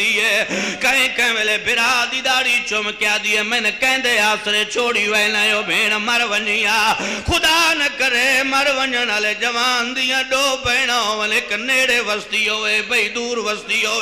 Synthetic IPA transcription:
iːeːkɐ̃ɪ̃kɐ̃ɪ̃ʋeːlebɪɾaːd̪id̪aːɽit͡ʃomɪkɪjaːd̪iːɦeːmɐ̃nkɛ̃ɪ̃nd̪eaːst̪ɾet͡ʃʰoːɽiʋɐlaːjoːbʱeːɽ̃mɐɾʋɐɲiaːxʊd̪aːnɐkɐɾemɐɾʋɐɲəɽəleːd͡ʒɐʋãːnd̪ijãɗoːbəɪɽ̃aoəlekneːɽeʋɐst̪iːoːebɐiːd̪uːɾʋɐst̪iɦoː

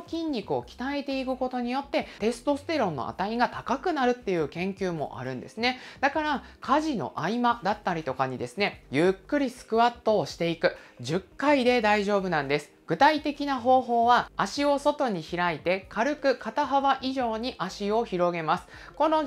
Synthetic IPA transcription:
kʲĩɲʲːikɯ̟o̞̰kʲi̥t̪ae̞t̪e̞ikɯ̟ko̞t̪o̞ɲ̟ijo̞t̪ːe̞t̪e̞sɨ̥t̪o̞sɨ̥t̪e̞ɾõ̞nːo̞̰ʔa̰t̪aiɡat̪akakɯ̟naɾɯ̟t̪ːe̞jɯ̟ːkẽ̞ŋkʲɯːmo̞̰ʔa̰ɾɯ̟̃nd̪e̞̰sɨne̞d̪̥akaɾakʰaʑino̞̰ʔaimad̪at̪ːaɾʲit̪o̞kaɲ̟id̪e̞sɨne̞jɯ̟kːɯ̟ɾʲisɨ̥kɯ̟βat̪ːo̞ːɕi̥t̪e̞ikɯ̟ʑɨkːaid̪e̞d̪aiʑo̞ːbɯ̟nãnd̪e̞sɨ̥ɡ̥ɯ̟t̪ait̪e̞kʲinaɦo̞ːɦo̞ːβaːɕio̞so̞t̪o̞ɲ̟içiɾait̪e̞kʰaɾɯ̟kɯ̟kat̪aɦaβaʔiʑo̞ːɲ̟iʔaɕio̞çiɾo̞ɡe̞masɨ̥ko̞no̞

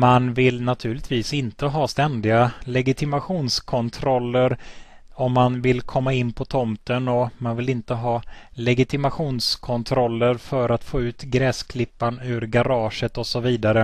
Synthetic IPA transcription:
manvɪlnat̪ʰʉ̟ːɭɪt̪viːsɪnt̪əɦɑːst̪ɛnd̪ɪɡalɛɡɪt̪ʰɪmaɧuːnskʰɔnt̪ʰɾɔlːəɾ | ɔmːanvɪlkʰɔmːaɪnːpʰɔt̪ʰɔmt̪ənɔmanvɪlɪnt̪əɦɑːlɛɡɪt̪ʰɪmaɧuːnskʰɔnt̪ʰɾɔlːəɾfœɾat̪foːʉ̟ːt̪ɡɾɛːskʰlɪpːanʉ̟ːɾɡaɾɑːʂət̪ɔsɔviːd̪aɾə

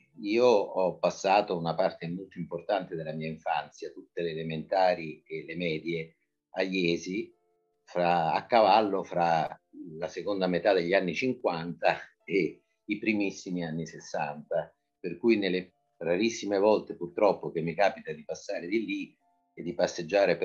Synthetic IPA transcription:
iːoɔpːasːaːt̪ounapart̪emolt̪oimport̪ant̪ed̪elːamiːaiɱfant̪sjat̪ut̪ːeleːlement̪aːɾielemɛːd̪je | ajɛːzi | fɾaa̰kːavalːofɾalasekond̪amet̪ad̪eʎːanːit͡ʃiŋkwant̪a | e | ipɾimisːimianːisesːant̪a | perkujnelːe | raɾisːimevɔlt̪epurt̪ɾɔpːok̟emːikaːpit̪ad̪ipasːaːɾed̪ilːi | ed̪ːipasːed͡ʒːaːɾep

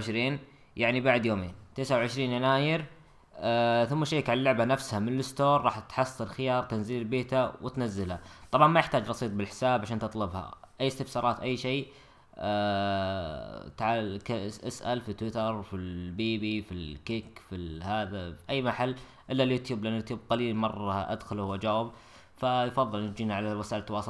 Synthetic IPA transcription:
ʃɾiːn | jaʕnibaʕd̪joːmeːnt̪eːsʕawʕɪʃɾiːnjanaːjɪɾ | θʊmːaʃaːkʕalalːʊʕbanafshamɪnɪlɪst̪oːɾˤːɑːħt̪ħɑsˤːɨlxɪjɑːɾˤt̪anziːlbeːt̪awɪt̪nazːɪlhat̪ˤɑbʕɑnmajɪħt̪aːd͡ʒɾˤɑsiːt̪ˤbɪlħɪ̥saːbʕaʃaːnt̪ɨt̪ˤlɪbha̰ʔajːɪst̪ɪbsɑːɾˤɑːt̪ʔajːʃeː | t̪ʕakasʔasʔa̰lfit̪ːwɪt̪ɑɾˤfilbiːbifilkɪkfihaːðafiʔajːmaħalː | ʔɪlːaljuːt̪juːblʔanjuːt̪juːb̚qaliːlmɑrˤːɑʔa̰d̪xʊlhwʔad͡ʒaːwɪb | fajfɑðˤːɨlnd͡ʒiːniʕalawasaːʔlt̪ːwɑːs

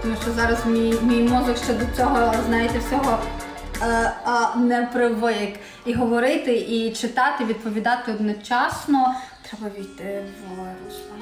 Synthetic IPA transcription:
t̪ɔmuʃt͡ʃɔzɑɾɐzmʲijmʲijmuzɪkʃt͡ʃɛd̪ɔt͡sʲɔɦɔznɑjɪt̪ɛwsʲɔɦɔ | nɛpɾɪʋɪk | iɦɔʋɔɾɪt̪ɪʔit͡ʃɪt̪ɑt̪ɪʋʲid̪̚pɔʋʲid̪ɑt̪ɪɔd̪nɔt͡ʃɑsnɔt̪ɾɛbɐʋʲijt̪ɪʋ

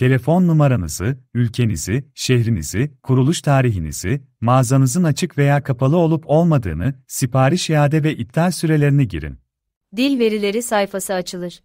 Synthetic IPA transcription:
t̪ʰe̞lʲefo̞nːumaɾanɯ̰zɯylʲcʰe̞nḭziʃeɦɾinḭzikʰuɾulˠuʃt̪ʰaːɾiɦinḭz̥i | maːzanɯzɯnat͡ʃʰɯkve̞jaːkʰapʰalˠɯo̞lˠupʰo̞lˠmad̪ɯ̰ːnɯsipʰaːɾiʃijaːd̪ɛvɛʔit̪ʰːalʲsyɾe̞lʲe̞ɾiniɟḭɾḭn | d̪ilʲve̞ɾilʲe̞ɾisajfasɯat͡ʃʰɯlˠɯɾ̥

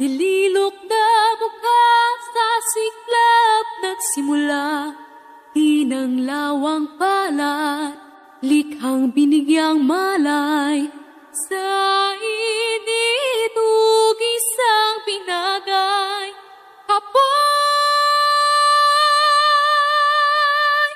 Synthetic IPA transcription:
bililok̚nɐbʊkasɐsɪk̚lab̚nɐɡsɪmʊla | d̪inɐŋlawɐŋpalat̪̚ | lɪkɐŋbɪnɪɡjɐŋmalaj | sɐinid̪uɡisɐŋbɪnaɡaj | kɐpa

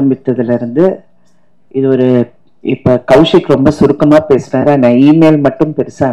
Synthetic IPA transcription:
ɐmbɪt̪ːɐðɪlɪɾɯnd̪ɯ | ɪðɯɔɾɯ | ɪpːoːkɐʊʂɪkːɯɾɔmbɐsʊɾɯkːɐmaːpeːsɯnaːɾaːnãːiːmeːlmɐʈːɯmpɛɾɯsãː

